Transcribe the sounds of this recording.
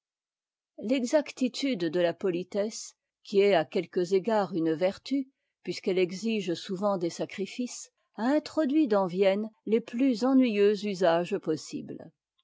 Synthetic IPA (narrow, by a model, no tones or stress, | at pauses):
lɛɡzakt̪it̪ʰyd̪ːəlapɔlit̪ɛs | kʲiɛakʲɛlkəzeɡaːʁynvɛʁt̪y | pɥiskɛlɛɡziʒsuvɑ̃d̪esakχifis | aɛ̃t̪χɔd̪ɥid̪ɑ̃vjɛnleplyzɑ̃nɥijøzyzaʒpɔsḭbl